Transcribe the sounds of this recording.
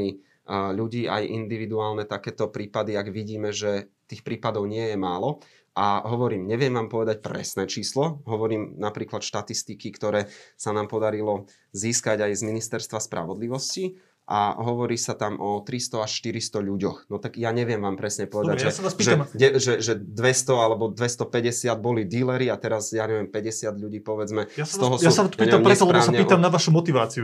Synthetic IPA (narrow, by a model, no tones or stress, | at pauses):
i | ʎuɟiːʔa̰jʔḭnd̪iʋid̪uaːlnɛt̪akɛːt̪ɔpɾiːpad̪iaɡʋiɟiːmɛʒɛt̪iːxpɾiːpad̪ɔʊɲɪɛjɛmaːlɔ | ʔaɦɔʋɔɾiːmɲɛʋɪɛmʋaːmpɔʋɛd̪ac̚pɾɛ̰snɛːt͡ʃiːslɔɦɔʋɔɾiːmnapɾiːklat̪ʃt̪at̪ist̪ikikt̪ɔɾɛːsanaːmpɔd̪aɾilɔ | ziːskaɟajzminist̪ɛɾst̪ʋaspɾʔa̰ʋɔd̪liʋɔsci | ʔa̰ɦɔʋɔɾiːsat̪amʔɔt̪ɾist̪ɔaʃʃt̪iɾist̪ɔʎuɟɔxnɔt̪aɡjaɲɛʋjɛmʋaːmpɾɛsɲɛpɔʋɛd̪ajʒɛsaaspiʒɛamɲɛʒɛʒɛd̪ʋɛst̪ɔalɛbɔd̪ʋɛst̪ɔpɛɟɛsɪad̪̚bɔlid̪ilɛɾiat̪ɛɾazjaːɲɛʋɪjɛmpɛɟɛsɪad̪ʎuɟiːpɔʋɛd͡zmɛsɔɦɔsjasaat̪ɔ̥iːɛamɲpɾɛsɔlpɛbɔaːsaɲɛiːt̪amnaʋaʃumɔt̪iʋaːt͡siu